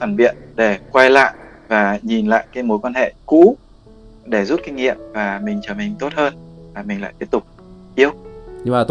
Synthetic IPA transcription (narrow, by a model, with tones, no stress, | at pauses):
faː˧˩nɓḭ˧˨ənɗe˧˩kwa˧jla̰ː˧˨j | vaː˨˩ɲi˨˩nla̰ː˧˨jkaː˨˦jmo˨˦jkwaː˧nhḛ˧˨kṵ˧˥ | ɗe˧˩zu˦˥t̚kï˧ŋ̟ŋḭ˧˨əmvaː˨˩mï˨˩ŋ̟t͡ɕəː˧˩mï˨˩ŋ̟t̪o˦˥t̚həː˧nvaː˨˩mï˨˩ŋ̟la̰ː˧˨jt̪i˦˥ət̪ʊ˨˩k͡p̚ | ʔi˧əwɲɨ˧aː˨˩